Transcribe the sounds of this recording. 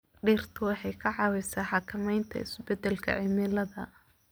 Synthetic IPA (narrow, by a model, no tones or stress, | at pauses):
ɖiːr̥t̪ʰʊwɑħɑjkʰɐʕɑwɛsaːħɑkʰɐmɛjnt̪ʰɐ̰ɪsbɛd̪ɛlkʰɐ̰ʕɪmɪlɐðɐ